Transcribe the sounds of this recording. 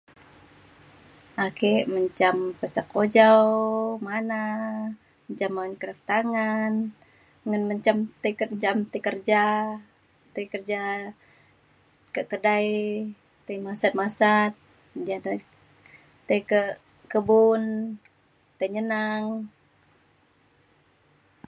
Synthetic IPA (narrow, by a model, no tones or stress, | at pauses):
akeʔməɲt͡ʃampəsakːod͡ʒawmana | əɲt͡ʃamːankəɾaft̪aŋan | ŋənməɲt͡ʃamt̪əkəɲt͡ʃamt̪əkərd͡ʒa | t̪əjkərd͡ʒa | kəkədaj | t̪aimasat̪̚masat̪̚ | d͡ʒada | t̪ejkə | kəbun | t̪əɲənaŋ